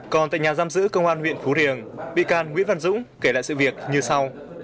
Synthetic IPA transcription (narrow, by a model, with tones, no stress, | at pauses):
kɔ˨˩nt̪a̰ː˧˨ɲaː˨˩zaː˧mzɨ̰˧˥kə˧wŋ͡mʔaː˧nhwḭ˧˨ənfu˨˦ɾi˨˩əŋɓḭ˧˨kaː˧˩nŋwḭ˧˥ənva˧nzʊ̰˧˥ŋ͡mke˧˩la̰ː˧˨jsɨ̰˧˨vi˨˩ək̚ɲɨ˧sa˧w